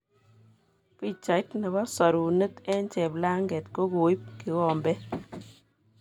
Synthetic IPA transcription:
pi˦t͡ʃa˨ɪ˦tnɛ˨ba˦sɔ˨ɾu˨nə˦tɛ˦nt͡ʃɛ˨bla˦ŋɡɛ˨tko˦ɡo˨i˦p̚ki˨wɔ˨mbɛ˦

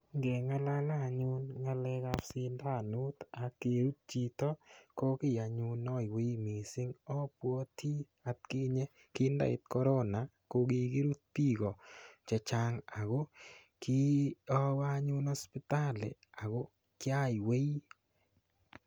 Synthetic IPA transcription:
ŋɡɛ˨ŋa˦la˦la˦˨ɲʊ˦nŋa˦lɛ˦ka˦fsɪ˧nda˦˨nu˦t̪a˨ke˨ɾu˦t̚t͡ʃi˨tɔ˦ko˦kɪ˦˨ja˨ɲʊ˦nɔ˦jwe˦jmi˨sɪ˦ŋɔ˦pwɔ˦tʰi˦ | a˨t̪̚kɪ˦ɲɛ˦ | kɪ˦nda̰˦˨ɪ̰˨t̪̚kɔ˦ɾɔ˦na˨ | ko˦ɡi˦ɡi˦ɾu˦t̚pi˦ɡɔ˨t͡ʃɛ˨t͡ʃa˦ŋa˨ɣo˦ | ki˦ɔ˦wa˦ɲʊ˦nɔ˦spɪ˦ta˦lɛ̰˨a˨ɣo˦ | kɪ˦a˦i˨we˦i˦

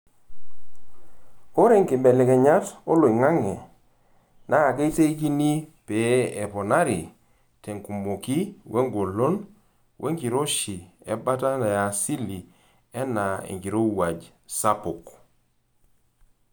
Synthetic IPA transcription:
o˦ɾe˦˨ŋkɪ˨bɛ˨lɛ˨kɛ˨ɲa˦to˦lo˨i˨ŋa˦ŋɛ˨ | na˨˦a˨ke˦i˦te˦i˦ki˦ni˦pe˨˦ɛ˨pɔ˨na˦ɾḭ˨ | te˨ŋku˨mo˨ki˦wʔe˦ŋɡo˨lo˦n | wʔḛ˦ŋki˨ɾo˦ʃi˨ɛ̰˦ba˦ta˦na˨ja˨si˦li˨ | ɛ˦na˨ḛ˨ŋɡi˨ɾo˦wa˨d͡ʒ | sa˦pʊ˨k

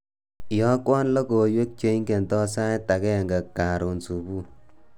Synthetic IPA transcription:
jɔ˦kwɔ˦nlɔ˦ko˨jwe˦k̚t͡ʃe˦i˦ŋke˨ntɔ˦sa˦jta˨kɛ˦˨ŋɡa˨kkːa˨ɾo˨nsu˨bu˦

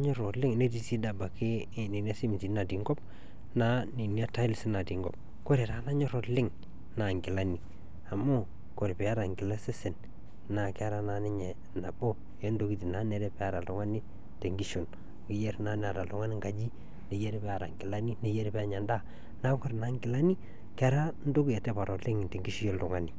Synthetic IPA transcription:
ɲo˦ɾo˨lɪ˦ŋne˦di˦si˦da˨ba˨ke˦ | ni˨ni˦a˦si˦m˨ti˨˦na˨di˨ŋɡɔ˦b̚ | na˦ni˨ni˦a˦ta˦lsi˦na˨di˨ŋɡɔ̰˨p̚ | ko˦ɾe˨ɾa˨˦na˦ɲo˦ɾo˨lɪ˦ŋ | na˨ŋɡi˨la˦ni˨ | a˨mo˦ | ko˨ɾi˨pi˨a˦ɾa˨ŋɡi˨la˦se˦se˨n | na˨ke˦a˦ɾa˦˨na˨ni˦ɲe˨ | na˨bo˦ | jɛ˦n˦do˦ki˦ti˨na˦ne˨ɾɛ˦pɛ˦a˨ɾa˨lʊ˦ŋa˦ni˦ | te˨ŋɡi˦ʃo˨n | ki˨je˦ɾna˦n˦a˨ɾa˨lʊ˦ŋa˦ni˦ŋɡa˨d͡ʒi˦ | ne˨je˦ɾpɛ˦a˨ɾa˨ŋɡɪ˨la˦ni˦ne˨je˦ɾpɛ˦a˨ɲa˨nda˦˨ | na˦ko˦ɾna˨ŋɡɪ˨la˦ni˦ | kɛ˦ɾa˦n̩˦do˦kje˨tɛ˦pa˨ɾɔ˨tlɪ˦ŋ˨te˨ŋɡi˦ʃi˦jo˦ldʊ˨ŋa˦ni˨

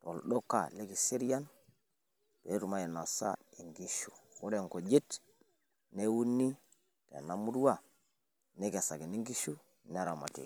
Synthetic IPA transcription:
to̰˨lɗo˦kːa̰˨le˦ɡi˨se˦ɾja˦n | pe˨˦ɾu˨ma˦je˨no˨sa̰˦i˨ŋɡi˦ʃu˨ko˦ɾe˦˨ŋko˨d͡ʒi˦t | ne˦wu˦nːi˦ | tḛ˨na˦mu˦dwa˦ | ne˦ka˨sa˨ɡi˨ni˦ŋɡi˦ʃu˦ | ne˦˨ɾa˨ma̰˨tḛ˨

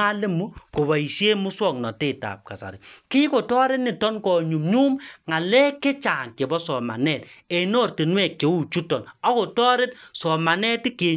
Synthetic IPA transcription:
a˦le˦mu˦ko˨βa˨i˨ʃje˦mu˦swɔ˦˨ŋnɔ˨te˦˨ta̰˨p̚ka̰˨sa̰˨ɾḭ˨kɪ˦ko˨tɔ˦ɾe˦tnɪ˨tɔ˦nkɔ˨ɲu˨mɲu˦mŋa˨lɛ˦kːe˦t͡ʃa˨ŋke˨bɔ˦sɔ˨ma̰˨nɛ˦˨t̚e˨no˦˨rti˨nwɛ˦˨kːe˨˦u˦t͡ʃu˦tɔ˨nɔ˦ko˨tɔː˦ɾe˦t̚sɔ˨ma˨nɛ˦tɪ˦ke˨

